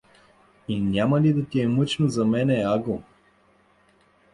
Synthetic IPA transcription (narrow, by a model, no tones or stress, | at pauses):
inʲamɐlid̪ɐt̪iɛmɤt͡ʃnozɐmɛnɛaɡo